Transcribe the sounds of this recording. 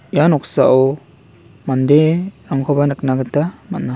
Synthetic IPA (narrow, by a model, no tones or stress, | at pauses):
ijanɔksaʔɔw | mandeɾaŋkʰɔbanɯk̚naɡɯtːamatnːa